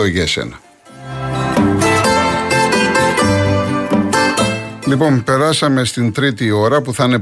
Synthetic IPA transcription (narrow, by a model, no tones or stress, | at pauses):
oʝesḛnɐ | lipo̞mpe̞ɾɐsɐme̞st̪int̪ɾit̪io̞ɾɐpuθɐne̞